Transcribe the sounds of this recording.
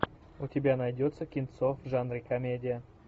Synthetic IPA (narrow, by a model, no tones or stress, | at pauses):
ʊtʲɪbʲanɐjdʲot̪səkʲɪnt̪sofʐanɾʲɨkɐmʲedʲɪjə